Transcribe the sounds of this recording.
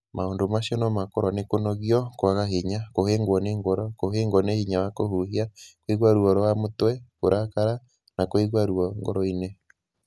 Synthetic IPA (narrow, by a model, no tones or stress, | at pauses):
maondomasiɔnɔmakɔɾwɔnekonɔɣiɔkwaɣaɦeɲakoheŋɡwɔneŋɡɔɾɔkoɦeŋɡwɔnehiɲawakohuɦiakweɣwaɾuɔɾɔwamotwɛkoɾʔakaɾa | nakweɣwaɾuɔŋɡɔ̰ɾɔine